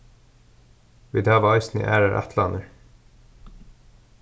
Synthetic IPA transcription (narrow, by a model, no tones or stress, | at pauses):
ʋḭːd̪æːʋɑɪsnḭʔæ̰ːɾəʔæ̰t̪ʰlɑnəɹ